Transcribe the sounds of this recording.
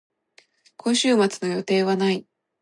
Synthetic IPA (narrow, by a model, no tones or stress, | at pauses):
kʰo̞ɕɨːmat͡sɨno̞jo̞t̪e̞ːβanai